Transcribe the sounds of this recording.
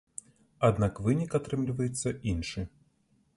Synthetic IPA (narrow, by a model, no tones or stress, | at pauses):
ad̪nakvɨnʲikat̪ɾɨmlʲivɐjɛt̪sːɐʔinʂɨ